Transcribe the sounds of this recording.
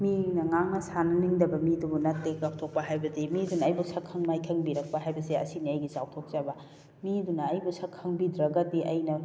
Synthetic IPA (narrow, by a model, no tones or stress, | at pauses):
minɐŋaŋnɐsanɐniŋdɐbɐmidubunɐtːekaw̚tʰok̚pɐɦajbɐdimidunɐɐjbusɐkʰɐŋmajkʰɐŋbiɾɐk̚paɦajbɐseɐ̰siniɐjɡisaw̚tʰok̚zabɐ | midunɐɐjbusɐkʰːɐŋbidɾɐɡɐtiʔɐjnɐ